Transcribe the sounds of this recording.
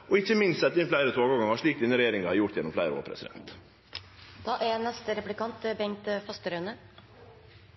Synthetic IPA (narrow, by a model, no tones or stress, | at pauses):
ɔɪçːəmɪnst̪sɛt̪ːəɪnflæɪɾət̪ʰoːɡɔɾɡɑŋɑʂɭiːk̚t̪ɪnəɾɛjeːɾɪŋəhɑɾjʊʈt̪jɛnɔmflæɪɾəo̰ːɾpʰɾɛ̰sɪd̪ɛ̰nt̪ | d̪̥ɑːʔænɛst̪əɾɛplɪkʰɑnt̪bɛŋt̪fɑst̪əɾœːnə